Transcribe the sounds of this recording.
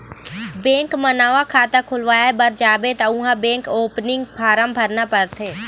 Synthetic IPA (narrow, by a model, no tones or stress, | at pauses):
bẽːŋkmɐnaːʋakʰaːt̪akʰʊlʋaːebɐɾd͡ʒaːbet̪ɐʊ̃ɦãbẽːŋkoːpnɪŋɡpʰaːɾəmbʱɐɾnapɐɾt̪ʰeː